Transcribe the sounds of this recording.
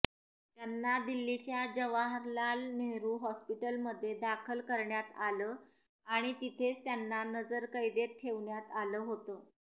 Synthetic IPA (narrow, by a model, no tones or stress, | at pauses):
t̪janːad̪ilːit͡ɕjad͡ʑəʋaɦəɾlalneɦɾuːɦɔspiʈəlməd̪ʱːjed̪akʰəlkəɾɳjat̪aləː | aɽ̃it̪it̪ʰet͡st̪janːanəd͡zəɾkəid̪eɾt̪ʰeʋɳjat̪aləːɦot̪əː